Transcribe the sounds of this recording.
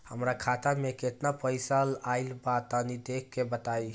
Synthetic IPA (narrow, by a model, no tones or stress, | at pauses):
həmɾakʰat̪ameket̪napəjsəlaɪlbat̪ənid̪ekʰːebət̪aj